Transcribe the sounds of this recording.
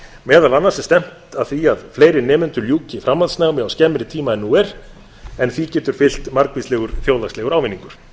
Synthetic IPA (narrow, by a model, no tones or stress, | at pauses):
mɛːðalanːaɾsɪst̪ɛm̥t̪aðθiaðfleːjɾɪnɛːmʏnt̪ʏɾljuːcɪfɾamːant̪snaːɣmɪawscɛmːɪɾɪt̪ʰiːmaɛnːuːɛɾ̥ | ɛnθicɛːt̪ʏɾ̥fɪl̥t̪maɾkvislɛɣʏɾ̥θjowlastlɛɣʏɾaːwvɪnːiŋkʏɾ̥